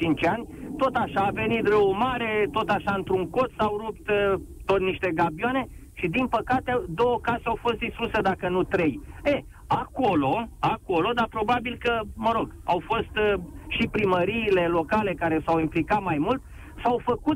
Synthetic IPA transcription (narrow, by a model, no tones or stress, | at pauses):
t͡ʃint͡ʃanʲt̪o̞t̪aʃaːve̞nit̪rəwmaɾe̞t̪o̞t̪aʃaɨnt̪ɾuŋko̞t̪sawɾup̚t̪t̪ot̪niʃt̪e̞ɡabiane̞ | ʃid̪inpəkat̪ed̪o̞wəkaseawfo̞st̪̚d̪ist̪ɾused̪akənut̪ɾe̞je | ako̞lo̞ako̞lo̞d̪apɾo̞babilkəməɾo̞ɡa̰wfo̞st̪ʃipɾiməɾiːle̞lo̞kale̞kaɾe̞sawimplikat̪majmult̪ | sawfəkut̪